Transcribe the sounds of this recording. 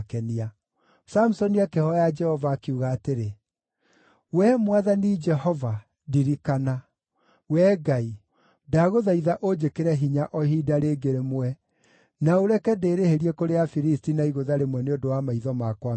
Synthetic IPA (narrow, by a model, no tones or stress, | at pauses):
kɛnia | sam̩usɔniakehɔjad͡ʒɛhɔvaːkeuɣaːteɾe | wɛmwaðanid͡ʒɛhɔva | diɾikana | wɛːɡai | daɣoðaiðaʔod͡ʒekeɾɛɦiɲaʔɔɦidaɾeɡeɾemwɛ | naoɾɛkɛdeːɾeheɾiɛkoɾeafiɾistinaiɣoðaɾemwɛneodowamaiðɔmakwa